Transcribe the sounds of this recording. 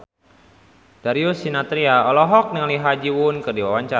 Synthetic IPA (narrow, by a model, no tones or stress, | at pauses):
d̥aɾiusinat̪ɾiaɔlɔɦɔk̚nəŋaliɦad͡ʒiwunkərdiwawaɲt͡ʃa